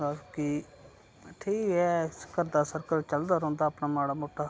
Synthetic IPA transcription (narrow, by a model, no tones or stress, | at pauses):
aki | ʈʰiːkɛːkəɾd̪aːsəɾkəɾt͡ʃəld̪aːɾõːnd̪aːpnaːmaːɽaːmoːʈːaː